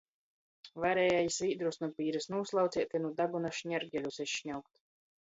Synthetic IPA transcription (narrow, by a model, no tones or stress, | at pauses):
vaɾɛjajisviːd̪ɾusnupiːɾɛsnuɔslˠawt̪sʲiɛt̪ʲinud̪aɡunaʃɲɛɾɡʲɛlʲusesʃɲawk̚t̪